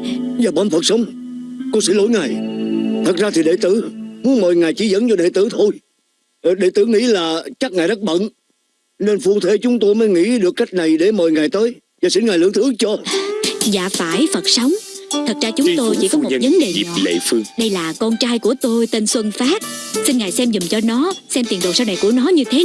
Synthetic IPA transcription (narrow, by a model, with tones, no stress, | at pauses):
zaː˨˩ɓɔ̰˧˦nfə˨˩t̚sə˨˦wŋ͡mkɔ˧sḭ˧˥lo̰˧˥˦jŋaː˨˩jt̪ʰə˨˩t̚zaː˧t̪ʰi˨˩ɗe˧˨t̪ɨ˧˩mu˨˦əməː˨˩jŋaː˨˩jt͡ɕi˧˩zə˧˦nt͡ɕɔ˧ɗḛ˧˨t̪ɨ˧˩t̪ʰo˧j | ɗe˧˨˩t̪ɨ˧˩ŋḭ˧˥laː˨˩t͡ɕa˦˥k̚ŋaː˨˩jɗa˦˥t̚ɓə̰˧˨n | ne˧nfu˧ət̪ʰe˧˩˦t͡ɕʊ˨˦ŋ͡mt̪o˧jməː˨˦jŋḭ˧˥ɗɨ˨˩əkːa˦˥k̟̚na˨˩jɗe˧˩məː˨˩jŋaː˨˩jt̪əː˨˦j | zaː˨˩si˧˥˦nŋa˨˩jlɨ̰˧˩əŋt̪ʰɨ˨˦ət͡ɕo˧ | za̰ː˧˨faː˧˩jfə˨˩t̚sa˨˦wŋ͡mt̪ʰə˨˩t̚zaː˧t͡ɕʊ˨˦ŋ͡mt̪o˧jt͡ɕḭ˧˩kɔ˨˦˨k̚və˨˦nɗe˨˩ɲ˨˩ḛ˧˨fŋɗə˧jlaː˨˩kɔ˧nt͡ɕaː˧jku˧˩ət̪o˧jt̪e˧nswə˧nfaː˦˥t̚si˧nŋaː˨˩jsɛ˧mzʊ˨˩ŋ͡mt͡ɕɔ˧nɔ˨˦sɛ˧mt̪i˨˩nɗo˨˩saː˧wna˨˩jku˧˩ənɔ˨˦ɲɨ˧t̪ʰe˨˦